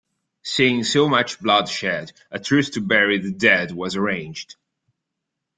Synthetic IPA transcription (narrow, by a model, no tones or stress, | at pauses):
siɪ̃ŋsoʊmʌt͡ʃblʌd̥ʃɛd | ʔɨtʰɹ̥ʉθtʰɨbɛɹiðɨdɛd̚wʌzəɹẽɪ̃nd͡ʒd̥